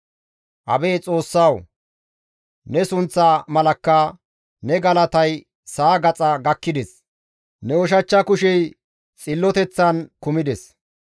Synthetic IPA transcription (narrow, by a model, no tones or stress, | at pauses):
ʔɐ̰beːt͡sʼo̞ːsːɐw | nɛsʊnt͡sːamɐlɐkːɐ | nɛɡɐlɐt̪ɐj | saːɡɐt͡sʼɐɡɐkːɪd̪ɛs | nɛɔʃ̬ɐt͡ʃːɐkʊʃɛj | t͡sʼɪlːɔt̪ɛt͡sːɐnkʊmɪd̪ɛs